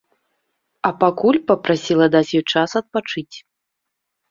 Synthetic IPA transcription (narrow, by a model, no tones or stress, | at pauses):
ɐpakulʲpɐpɾasʲilˠɐd̪at͡sʲjɔjt͡ʂasɐt̪̚pat͡ʂɨt͡sʲ